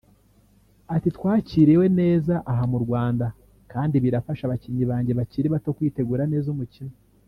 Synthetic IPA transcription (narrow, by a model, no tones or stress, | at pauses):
atitwaːciːɾewe̞ne̞ːzaʔaɦamuɾɡwaːnda | kaːndiβiɾafaʃaβaciɲiβaːɲɟe̞βaciːɾiβato̞kwiːte̞ɡuːɾane̞ːzumucimo